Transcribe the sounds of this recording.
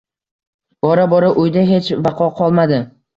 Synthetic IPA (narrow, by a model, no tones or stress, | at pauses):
b̥ɒɾabɒɾaʔʊjd̪aɦe̞t͡ʃvɑqʰɒqʰɒlˠmad̪ɪ